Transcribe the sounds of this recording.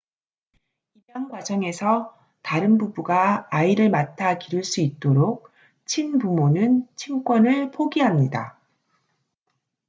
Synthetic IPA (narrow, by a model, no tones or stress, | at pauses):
imjaŋɡwad͡ʑʌŋe̞sʰʌ | taɾɯnbubuɡaːiɾɯɭmatʰakiɾuɭs͈uit̚t͈oɾok̚ | t͡ɕʰinpumonɯnt͡ɕʰimk͈wʌnɯɭpʰoɡiɦamɲida